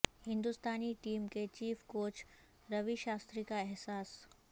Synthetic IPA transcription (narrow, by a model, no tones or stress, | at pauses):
hɪ̃nd̪ust̪aːniʈiːmket͡ʃiːfkoːt͡ʃ | ɾɐʋiʃaːst̪ɾikaɛɦsaːs